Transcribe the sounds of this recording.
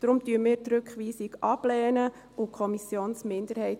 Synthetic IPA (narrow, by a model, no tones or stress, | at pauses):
d̥̪ɾʊmtyːəmɪːɾtɾɵkχʋiːsɪɡʔɑblɛːnə | ukʰχɔmisjoːnsmɪndəɾhɛɪt